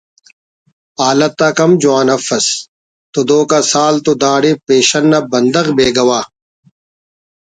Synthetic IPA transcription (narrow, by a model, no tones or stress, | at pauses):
aːlɐt̪ːaːkɐmd͡ʑwaːnɐfɐs | t̪od̪oːkasaːlt̪od̪aːɽepeːɕɐnːɐbɐnd̪ɐɣbeːɡɐwaː